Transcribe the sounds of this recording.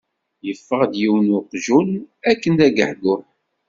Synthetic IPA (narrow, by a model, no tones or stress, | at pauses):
jəfːəʁd̪jiwnʊqʒulækːənd̪æɡə̰ħdʊɾ